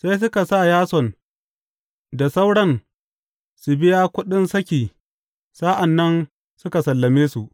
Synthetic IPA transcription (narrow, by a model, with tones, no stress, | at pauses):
sa˦js̬ʊ˦ka˨sa˦˨jaː˦sɔ˨n | da˨sa˦wɽɐ˦n | su˨bɪ˦jaː˦kʷʊ˦ɗɪ˦nsɐ˦kʲiː˨ | saː˦ʔa˨nːɐ˦n | sʊ˦ka˨sɐ˨lːɐ˨meː˦su˨ʔ